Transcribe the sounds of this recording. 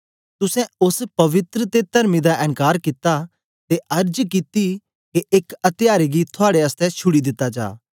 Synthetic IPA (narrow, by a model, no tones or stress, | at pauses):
t̪ʊsɛ̃ʊspɐʋɪt̪ɾət̪et̪ɐɾmid̪aʔɛ̃ŋkaːɾkɪt̪a | t̪eʔɐɾd͡ʒkɪt̪i | keʔeːkɐt̪ɪjaːɾeɡit̪ʰʊaːɽeɐst̪ɛt͡ʃʰʊɽid̪ɪt̪ːad͡ʒa̰ː